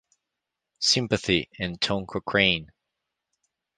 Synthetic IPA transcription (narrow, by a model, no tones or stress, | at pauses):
sɪ̃mpɨθiɨ̃ntʰõʊ̃ŋkʰəkʰɹ̥ẽɪ̃n